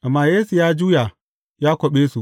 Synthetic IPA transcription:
ʔa˨mːa˨jeː˦su˨jaː˦d͡ʒuː˦ja˨ | jaː˦kʷo˨ɓe˦su˨

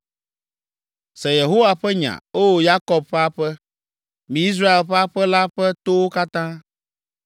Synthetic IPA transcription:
sɛ˨je˨ɦo˦wa˨ɸɛ˦ɲã̰˨o˦wo˦ja˦kɔ˨b̚ɸɛ˦a˦ɸɛ˦ | mĩ˨i˦s̬ɾa˦e˨lɸɛ˦a˦ɸɛ˦la˦ɸɛ˦t̪o˦wo˦ka˦t̪ã˦

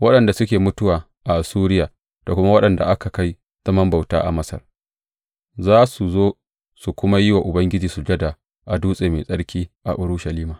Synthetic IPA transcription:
wɐ˦ɗɐ˨nda˨sʊ˦kʲeː˨mʊ˦tʊ˦waː˨ | ʔa˨ʔa˨suː˦ɾɪ˦jaː˨ | d̥a˨kʷʊ˦ma˦wɐ˦ɗɐ˨nda̰˨ʔa˦ka˨ka˦j | z̥ɐ˦mɐ˦mba˨wta̰ː˦ʔa̰˨mɐ˦sɐ̰˨r | zaː˦su˨zoː˦ | su˨kʷʊ˦ma˦jɪ˦wa˨ʔʊ˨bɐ˦ŋɡʲɪ˦d͡ʒiː˨su˨d͡ʒɐ˦da˨ | ʔa˨duː˦sʼeː˨mḛː˨sʼɐ˦ɽkʲiː˦ʔa̰˨ʔʊ˦ɾʊ˦ʃɐ˨liː˦maː˨

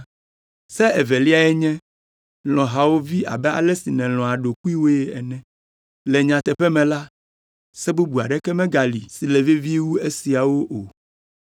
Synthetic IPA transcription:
sɛ˦ɛ˨vɛ˨li˦a˨ɛ˦ɲɛ̃˦ | l̃ɔ̃˨ɦa˨wo˦vi˦ʔa̰˨bɛ˦a̰˨lɛ˦si˨nɛ̃˨l̃ɔ̃˨a˨ɖo˨ku˦i˦wo˦jɛ˦ɛ˨nɛ̃˨ | lɛ˨ɲã˨t̪ɛ˨ɸɛ˦mɛ̃˨la˦ | sɛ˦bu˦bu˨a˨ɖɛ˦kɛ˦mɛ̃˦ɡa˨li˨si˨lɛ˨ve˦vi˦wu˦e˦si˨a˨wo˦ʔo˨

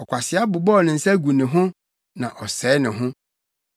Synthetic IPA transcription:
ɔ˨kʷʰa˨sɪ˨a˦bʊ˨bɔ˦˨nɪ̃˨n̩˨sɛ˦ɡu˨nɪ̃˨ɦʊ̃˦ | nã˨ʔɔ˨sɛː˨˦nɪ̃˨ɦʊ̃˦

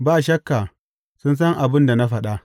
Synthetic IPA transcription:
baː˦˨ʃɐ˦kːa˨ | sʊ˦ns̬ɐ˦ŋʔa˨bɪ˦nda˨na˦ɸɐ˨ɗa˦ʔ

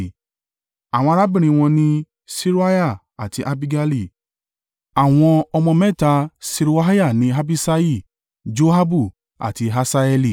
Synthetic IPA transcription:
a˨w̃ɔ̃˧ɾa˦bĩ˦˨ɾ̃ĩ˧w̃ɔ̃˧nĩ˧˦ | si˦ɾu˦a˦ja˦˨ | a˨ti˧ʔa˧bi˧ɡa˧li˦˨ | a˨w̃ɔ̃˧ɔ˧mɔ̃˧mɛ̃˦˨ta˧si˧ɾu˧˦a˦ja˦˨nĩ˨˦ɦa˧bi˦˧sa˧i˦˨ | d͡ʒo˦ɦa˦bu˦˨ | a̰˨ti˧ɦa˧sa˧ɛ˧li˨

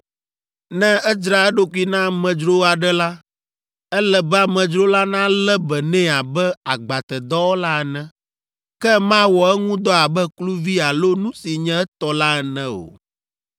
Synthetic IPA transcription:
nɛ̃˦ɛ˦d͡ʒɾa˨ɛ˦ɖo˦ku˦i˦nã˦˨mɛ̃˨d͡ʒɾo˦a˨ɖɛ˦la˦ | ɛ˦lɛ˨bɛ˦a˨mɛ̃˨d͡ʒɾo˦la˦nã˦lɛ˦bɛ˨nɛ̃˦a˨bɛ˦a˨ɡ͡ba˨t̪ɛ˨d̪ɔ˦wo˦la˦ɛ˨nɛ̃˦ | kɛ˦mã˦wɔ˨ɛ˦ŋũ˦d̪ɔ˦a˨bɛ˦klu˦vi˦a˨lo˦nũ˦si˨ɲɛ̃˦ɛ˦t̪ɔ˨la˦ɛ˨nɛ̃˦o̰˨

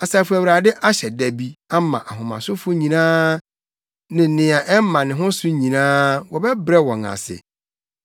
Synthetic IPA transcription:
a˨saː˨fu˨æ˨ɾa˨dɪ˦ʔa˦ɕɛ˨dæ˨bi˦a˦mã̰˨ʔa˨ɦʊ̃˨mã̰˨sʊ˦fʊ˦ɲĩ˨nãː˦ | nɪ̃˨nɪ̃˨ã˨ʔɛ˦m˦mã˨nɪ̃˨ɦʊ̃˦sʊ˦ɲĩ˨nãː˦wɔ˨bɛ˦bɾɛ˦wɔ̃˨ŋã̰˨sɪ̰˨

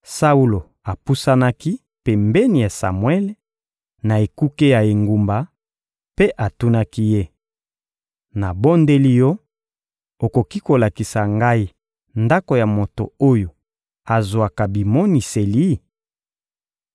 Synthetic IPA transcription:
sa˦u˦lo˨ | a˨pu˦sa˦na˦ki˦ | pe˨mbɛ˦ni˨ja˨sa̰˨mwɛ˦le˦ | na˨e˨ku˦ke˦ja˨e˨ŋɡu˨mba˨ | pe˦ʔa˨tu˦na˦ki˦je˦ | na˨bo˦nde˦li˦jɔ˦ | o˨ko˨ki˦ko˨la˨ki˨sa˨ŋɡa˦i˦ | nda˦ko˨ja˨mo˨to̰˨o˦jo˨ | a˨zwa˨ka˨bi˨mɔ˦ni˨se˨li˦

